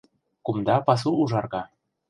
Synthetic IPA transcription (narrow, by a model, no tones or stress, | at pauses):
kumd̪ɑpɑs̬uːʒɑrɣɑ